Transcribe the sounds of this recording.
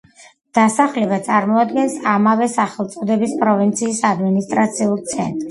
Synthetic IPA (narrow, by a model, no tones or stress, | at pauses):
d̪̥asaχlɛbat̪sʼaɾmɔad̪ɡɛnsamavɛsaχɛlˠt̪sʼɔd̪ɛbispʼɾɔvint̪sʰiːsad̪minist̪ʼɾat̪sʰiulˠt̪sʰɛnt̪ʼ